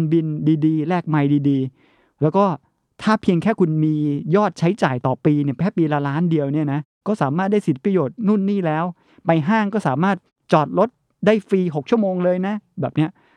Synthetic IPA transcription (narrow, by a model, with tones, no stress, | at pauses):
nbi˧ndiː˧diː˧lɛː˥˩k̚ma˧jdiː˧diː˧ | lɛː˦˥wkɔː˥˩ | t̪ʰaː˥˩pʰi˧əŋkʰɛː˥˩kʰu˧nmiː˧jɔː˥˩t̪̚t͡ɕʰa˦˥jt͡ɕaː˨˩jt̪ɔː˨˩piː˧ni˥˩ɐpʰɛː˥˩piː˧la˧laː˦˥ndi˧əwni˥˩ɐna˦˥ | kɔː˥˩saː˩˦maː˥˩t̪̚daː˥˩jsi˨˦t̪̚pɾa˧joː˨˩t̪̚nu˥˩nːiː˥˩lɛː˦˥w | pa˧jɦaː˥˩ŋkɔː˥˩saː˩˦maː˥˩t̪̚ | t͡ɕɔː˨˩t̪̚lo˦˥t̪̚ | daː˥˩jfiː˧ɦo˨˩k̚t͡ɕʰu˥˩əmoː˧ŋlɤː˧jna˦˥bɛː˨˩p̚ni˦˥ɐ